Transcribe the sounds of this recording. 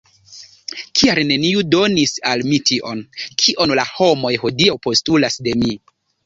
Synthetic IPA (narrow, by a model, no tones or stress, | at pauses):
kʰialne̞niudo̞nisalmitiʔo̞nkʰiʔo̞nlaho̞mo̞jho̞diawpo̞stulasde̞mi